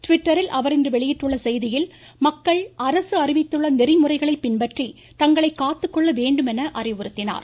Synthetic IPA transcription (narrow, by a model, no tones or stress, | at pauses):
ʈʋɪʈːɐɾɪlʔɐʋɐɾɪndrɯʋɛɭɪjɪʈrɯɭːɐsɛjðɪjɪl | mɐkːɐɭʔɐɾɐsɯɐrɪʋɪt̪ːɯɭːɐnɪrɪmʊrɐɪɣɐɭɐɪpːɪnbɐʈri | t̪ɐŋɡɐɭɐɪkːaːt̪ːɯkːɔɭːɐʋeːɳɖɯmɛnɐʔɐrɪʋɯɾɯt̪ːɪna̰ːɾ